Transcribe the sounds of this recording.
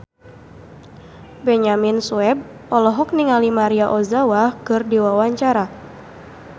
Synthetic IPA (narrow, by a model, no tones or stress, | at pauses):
bɛɲaminsuɛb̚ | ɔlɔɦɔk̚niŋalimaɾiaʔɔzawakɨrdiwawaɲt͡ʃaɾa